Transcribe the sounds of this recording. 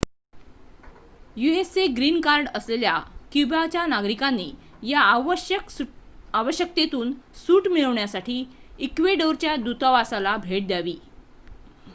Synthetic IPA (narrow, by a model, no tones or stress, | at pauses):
jueseɡɾiːnkaɾɖəsleljakubat͡ɕjanaɡɾikanːiː | ja | aʋəɕjək̚t̪et̪uːnsuːʈmiɭəʋɳjasaʈʰiːikʋeɖəwɾt͡ɕjad̪ut̪ɔʋasalabʱeʈ̚d̪jaʋiː